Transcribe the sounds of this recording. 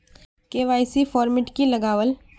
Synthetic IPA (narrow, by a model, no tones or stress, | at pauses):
keːʋaːɪsifɔːɾmɪʈkilɐɡaːʋəl